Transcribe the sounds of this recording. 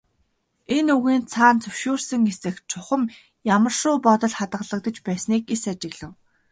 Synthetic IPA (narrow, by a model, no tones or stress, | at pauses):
enuɣiːnt͡sʰaːnt͡sɵwʃuːrsɘ̆ŋesɘ̆xt͡sʰʊχə̆m | jamə̆r̥ʃʊːpɔt̪ɞ̆ɮχat̪ɢə̆ɮə̆k̚t̪ə̆t͡ɕpæːsniːkesat͡ɕɪ̆ɣɮɘ̆w